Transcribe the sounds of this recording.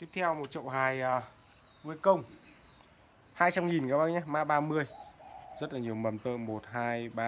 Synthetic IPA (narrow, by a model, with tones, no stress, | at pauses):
t̪i˦˥p̚t̪ʰɛ˧wmo˨˩t̚t͡ɕə̰˧˨wɦaː˨˩jʔəː˨˩ | vɨ˧əkə˧wŋ͡m | haː˧jt͡ɕa˧mŋi˨˩nkaː˨˦ɓa˧˦ɲaː˧maː˧˥ɓaː˧mɨ˧əjzə˦˥t̚laː˨˩ɲi˨˩əwmə˨˩mt̪ə̰ː˧˨mo˨˩t̚ɦaː˧jɓaː˧